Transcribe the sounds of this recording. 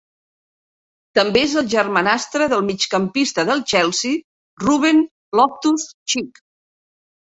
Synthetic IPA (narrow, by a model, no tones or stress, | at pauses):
t̪əmbeezəlˠʒərmanast̪ɾəðəlˠmit͡ʃkəmpist̪əðəlˠt͡ʃɛlˠsi | ruβ̞en | lɔp̚t̪ust͡ʃik